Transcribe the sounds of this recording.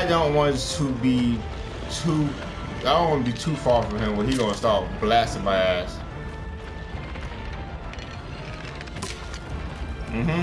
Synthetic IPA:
ɪdõʊ̃nʔwɑ̃ntʰəbi | tʰu | aɪdõʊ̃nʔwɑ̃nəbitʰufɑɹfʌ̃mɪ̃mwəlˠiɡõʊ̃nstɑp̚blæstɪ̃ŋbaɪæs | m̩m̥m̩

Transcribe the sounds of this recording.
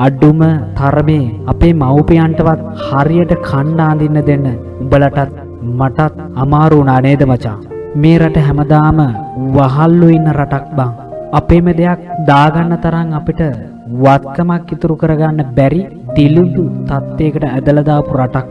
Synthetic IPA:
aɖumət̪ʰaɾmeːapeːmawpijaɳʈəʋat̪haɾijəʈəkʰaɳɖaːnd̪inːəd̪enːə | ubəlaʈat̪̚ | maʈat̪̚ | amaːɾuːnaːneːd̪əmat͡ʃa̰ː | meːɾaʈəɦɛməd̪aːməʋaɦalːuinːəɾaʈak̚baŋapeːməd̪ejak̚d̪aːɡanːət̪ɐɾaŋapiʈə | ʋat̪̚kəmakːit̪uɾukəɾəɡanːəbæɾi | d̪ilund̪ut̪at̪ːeːkəʈəæd̪ələd̪aːpuɾaʈak̚

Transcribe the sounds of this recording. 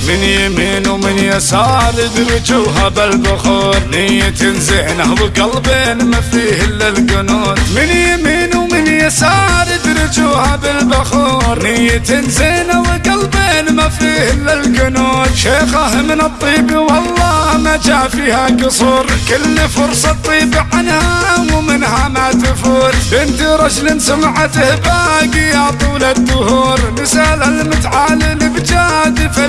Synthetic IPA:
mɪnjamiːnwmɪnjɪsɑːɾˤɪd̪ɾʊd͡ʒuːɦabɪlbaxuːɾˤnɪjɪt̪ɪnzɪʕnawɪɡɑlbeːnmafɾiːhɪlːalkʊnuːt̪mɪnjamiːnwmɪnjɪsɑːɾɪd̪ɾˤɪd͡ʒuːhabɪlbaxuːɾnɪjɪt̪ɪnzɪːnawɪɡɑlbeːnmafɾiːhɪlːalkanuːnʃeːxahmɪnɨt̪ˤːiːbiwɑlˤːɑːmad͡ʒaʕfiːhakɨsˤuːɾkʊlːfʊɾsˤɑt̪ˤːiːbʕanhawmɪnɦamat̪ʊfuːɾbɪnt̪iɾˤɑd͡ʒlɪnsamʕat̪ɪhbaːɡijat̪ˤuːlad̪ːʊhuːɾnɪsaːlalmʊt̪ʕaːlɪnɪbd͡ʒaːd̪fɪ

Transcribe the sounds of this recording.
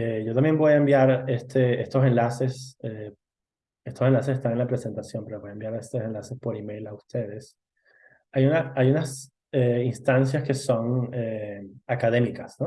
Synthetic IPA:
eɟ͡ʝo̞t̪ambje̞mbo̞jaembjaɾest̪ʰeest̪o̞se̞nlase̞se | e̞st̪ose̞nlasesest̪anenlapɾe̞se̞nt̪asjo̞mpe̞ɾoo̞jaembjaɾest̪osenlase̞spo̞ɾime̞jlaust̪e̞ð̞e̞s | ajunaajunas | einst̪ans̬jaske̞so̞neakað̞e̞mikasno

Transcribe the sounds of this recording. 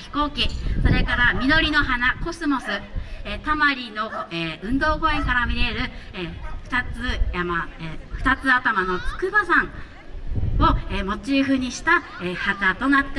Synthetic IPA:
çi̥ko̞ːkʲiso̞ɾe̞kaɾamʲino̞ɾʲino̞ɦanako̞sɨmo̞sɨet̪amaɾʲino̞eːɯ̟̃nd̪o̞ːko̞ẽŋkaɾamʲiɾe̞ɾɯ̟eɸɯ̟̥t̪at͡sɨamaeɸɯ̟̥t̪at͡sɨat̪amano̞t͡sɨ̥kɯ̟basãŋ̃ | o̞emo̞t͡ɕiɸɯ̟ɲ̟iɕi̥t̪a | ehat̪at̪o̞nat̪ːe

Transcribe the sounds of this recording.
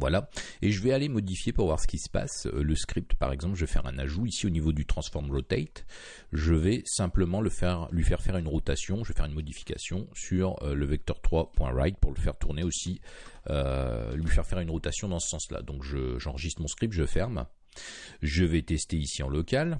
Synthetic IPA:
vwala | eʒəvɛalemɔd̪ifjepuʁvwaʁsə̥kʲisə̥pa̰søləskχip̚t̪pa̰ʁɛɡzɑ̃plʒəvɛfɛ̰ʁɛ̰̃na̰ʒuisionivod̪yt̪χɑ̃sfɔʁmʁot̪ɛt̪ | ʒəvɛsɛ̃pləmɑ̃ləfɛʁlɥifɛʁfɛʁynʁɔt̪asjɔ̃ʒəvɛfɛʁynmɔd̪ifi̥kʲa̰sjɔ̃syʁøləvɛk̚t̪œʁt̪χwapwɛ̰̃ʁa̰jt̪̚puʁləfɛʁt̪uʁneosiø̰lɥifɛʁfɛʁynʁɔt̪asjɔ̃d̪ɑ̃sə̥sɑ̃sla̰d̪ɔ̃kʒəʒɑ̃ʁəʒist̪χmɔ̃skχip̚t̪ʒəfɛʁm | ʒəvɛt̪ɛst̪eisiɑ̃lɔkʲal

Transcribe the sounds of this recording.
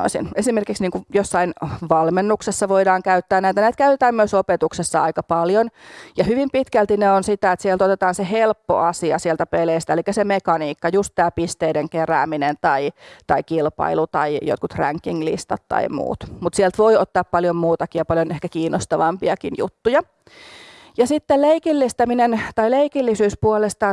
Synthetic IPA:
o̰isḭnesimerkiksniːŋkujosːɑinʋɑlmenːuksesːɑʋoidɑːŋkæyt̪ːæːnæit̪ænæːt̪kæyt̪et̪æːmmyøsopet̪uksesːɑɑ̰ikɑpɑljonjɑhyʋimpit̪kælt̪ineonsit̪æet̪sielt̪ot̪et̪ɑːnsehelpːo̰ʔɑsiɑ̰siɛlt̪æpeleist̪æelikːæsemekɑniːkːɑjust̪t̪æːpist̪eideŋkeræ̰ːminent̪ɑit̪ɑikilpɑ̰ilut̪ɑijo̰t̪̚kut̪ræ̰ŋkːiŋlḭst̪ɑ̰t̪tɑ̰imṵːt̪mut̪siɛlt̪ʋoiot̪ːɑːppɑljommuːt̪ɑkijɑpɑljonehkækiːnːost̪ɑʋɑmpiɑkinjṵt̪ːujɑ | jɑsit̪ːelleikilːist̪ɑminent̪ɑileikilːisyːspuolest̪ɑ

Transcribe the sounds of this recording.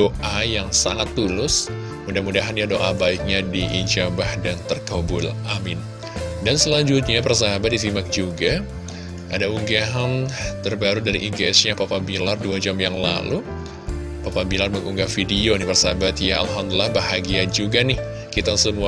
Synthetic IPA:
oʔajaŋsaŋat̪ːulʊs | mudahmudaɦanjadoʔabaik̚ɲadiʔid͡ʒabahdant̪ərkobʊ̰lʔamɪn | dansəlaɲd͡ʒut̪̚ɲapərs̬aɦabat̪̚dis̬imak̚d͡ʒuɡa | ʔadauŋɡaɦant̪ərbaɾudaɾḭʔiɡeɛsɲapapabilarduad͡ʒamjaŋla̰lu | papabilarməŋuŋɡafidionipərsabat̪jaa̰lɦamd̪ulahbaɦaɡiad͡ʒuɡanɪh | kit̪asəmua

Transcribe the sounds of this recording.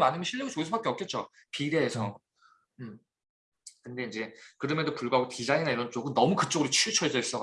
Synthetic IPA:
manɯmjʌnɕʰiʎːiɡut͡ɕoesʰobak͈e̞ʌk͈̚e̞t̚t͡ɕ͈o | piɾe̞ːsʰʌ | ɯm | kɯnde̞ind͡ʑe̞kɯɾʌmedopuɭɡuɦaɡotid͡ʑainaiɾʌnt͡ɕ͈oɡɯnnʌmukɯt͡ɕ͈oɡɯɾot͡ɕʰit͡ɕʰʌed͡ʑʌis͈ʌ

